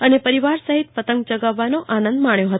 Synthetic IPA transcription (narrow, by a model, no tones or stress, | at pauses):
ənepəɾiʋaɾsəɦit̪fət̪əŋɡ̚d͡ʒəɡaʋːanoʔanə̃nd̪maɳjõɦət̪